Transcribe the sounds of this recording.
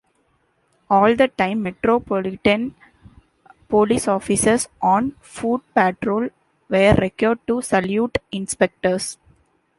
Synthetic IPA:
ɔːld̪əʈãɪ̃mːɛʈɾoːpɔlɪʈə̃n | poːlisɔːfɪsəsʔɔ̃ːn | fuːɖ̚pɛʈɾoːl | ʋeːɾːɛkjoːɾɖ̚ʈusɐljuːʈɪ̃nspɛk̚ʈəɾs

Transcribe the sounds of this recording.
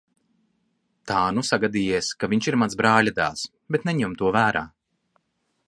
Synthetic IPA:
t̪aːnusaɡad̪iːjiɛskaviɲt͡ʃiɾmanzbɾaːʎʲad̪a̰ːs | bet̪nɛɲɛmt̪uɔvæːɾaː

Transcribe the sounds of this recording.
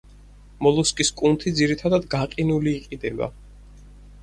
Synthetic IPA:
mɔlˠuskʼiskʼunt̪ʰid̪ziɾit̪ʰad̪ad̪ɡaqʼinuliːqʼid̪ɛba̰

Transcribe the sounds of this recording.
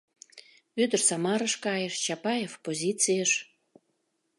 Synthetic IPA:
ød̪ərsɑmɑɾəʃkɑjəʃt͡ɕɑpɑjefpozʲit͡sijəʃ

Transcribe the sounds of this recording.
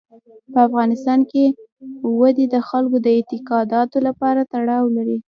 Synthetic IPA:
pəafɣɑnɪst̪ɑnke | wad̪id̪əxalkod̪əɪt̪ɪqɑd̪ɑt̪olapɑɾat̪aɽɑwlaɾi

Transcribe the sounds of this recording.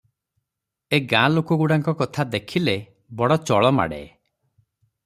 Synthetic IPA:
eɡãlokɔɡuɽaŋkɔkɔt̪ʰad̪ekʰile | bɔɽɔt͡ʃɔɭɔma̰ɽḛ

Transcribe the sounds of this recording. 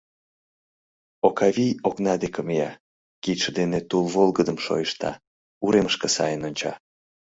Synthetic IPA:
okɑβijoknɑd̪ekəmijɑ | kit̪ʃəd̪enet̪ulˠβolˠɣəd̪əmʃo̰jəʃt̪ɑ̰ | uɾeməʃkəsɑ̰jənonʲt͡ɕɑ̰

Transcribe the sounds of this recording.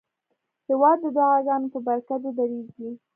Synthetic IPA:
hɪwɑd̪ːəd̪ʊɣɑzɑnopəbaɾkad̪od̪aɾeɡi

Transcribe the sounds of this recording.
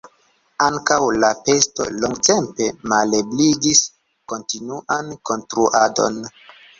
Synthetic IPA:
aŋkawlape̞sto̞̰loŋɡte̞mpe̞malebliɡis | ko̞ntinuʔanko̞ntɾuʔado̞̰n

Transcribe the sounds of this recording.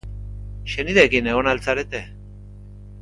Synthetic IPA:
ʃeniðekineɣonalt͡saɾet̪e

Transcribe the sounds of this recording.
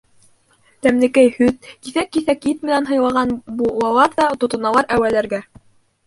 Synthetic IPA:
t̪æmlɘ̆kæjhɵðkiθækːiθækjɘt̪mɘ̆nænɦɤ̆jlˠɑʁɑnbulˠɑlˠɑɾðɑt̪ŏt̪ɤ̆nɑlˠɑɾæwælæɾɡæ

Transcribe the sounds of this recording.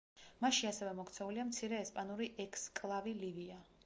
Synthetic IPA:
maʃiasɛvɛmɔkʰt̪sʰɛuliamt̪sʰiɾɛːspʼanuɾiʔɛkʼskʼlˠavilivia

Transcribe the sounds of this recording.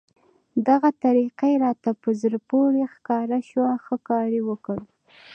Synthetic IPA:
d̪aɣat̪aɾiqaɾɑt̪apəzəɾpoɾexkɑɾaʃwaxəkɑɾewəkəɽ

